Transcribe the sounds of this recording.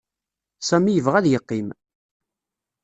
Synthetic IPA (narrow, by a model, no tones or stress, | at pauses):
sæmijəvʁæðjəqːim